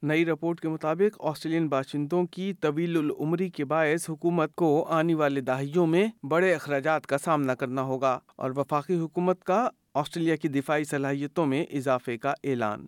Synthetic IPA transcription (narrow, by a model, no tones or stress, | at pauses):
nɐiɾɪpoːɾʈkemʊt̪aːbɪqɔ̰ːsʈɾeːlijənbaːʃɪ̃nd̪õkit̪ɐʋiːlʊlʊ̰mɾikebaːɪsɦʊkuːmət̪̚koaːneʋaːled̪aːɦijõmẽbɐɽeɪxɾaːd͡ʒaːt̪kasaːmnakɐɾnaɦoːɡaːɔ̰ːɾʋɐfaːqiɦʊkuːmət̪ka | ɔːsʈɾeːlijakid̪ɪfaːisɐlaːɦijət̪õmẽʔɪzaːfekaʔɛːla̰ːn